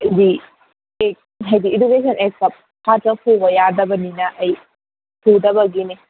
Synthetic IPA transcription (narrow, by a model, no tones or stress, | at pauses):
di | ek̚ | ɦɐjdiːnubes̬ɔnek̚sɐp̚ | hʰatɐkʰuɡɐjadɐbɐninɐʔːj | tʰudɐbɐɡine